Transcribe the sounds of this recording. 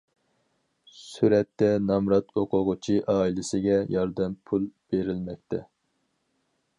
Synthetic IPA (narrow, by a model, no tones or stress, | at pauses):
syɾɛt̪ːɛnɑmɾɑt̪ʰoqʊʁʊt͡ʃʰiʔɑːilɪsɪɡʲɛjɑɾd̪ɛmpʰulˠb̥eɾɪlmɛk̚ʲt̪ʰɛ